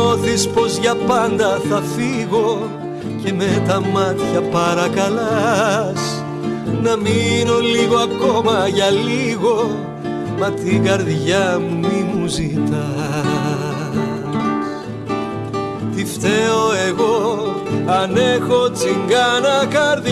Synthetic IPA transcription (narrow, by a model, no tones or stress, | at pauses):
o̞θispo̞zʝɐpɐnd̪ɐθɐfiɣo̞ | ce̞me̞t̪ɐmɐt̪çɐpɐɾɐkɐlɐs | nɐmino̞liɣo̞ɐko̞mɐʝɐliɣo̞ | mɐt̪iɡɐɾðʝɐmumimuzit̪ɐ | t̪ift̪e̞o̞e̞ɣo̞ | ɐne̞xo̞t͡siŋɡɐnɐkɐɾð